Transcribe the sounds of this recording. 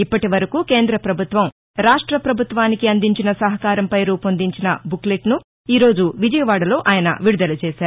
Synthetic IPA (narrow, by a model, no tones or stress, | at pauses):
ipːɐʈiʋɐɾɐkuːke̞ːnd̪ɾɐpɾɐbʱut̪ʋɐm | ɾaːʂʈɾɐpɾɐbʱut̪ʋaːnikiɐnd̪iɲt͡ʃinɐsɐɦɐkaːɾɐmpɐjɾuːpond̪iɲt͡ʃinɐ̰bukleʈnu | iːɾo̞ːd͡ʒuʋid͡ʒɐjɐʋaːɽɐlo̞ːʔaːjɐnɐ̰ʋiɽud̪ɐlɐt͡ʃɛːʃaːɾu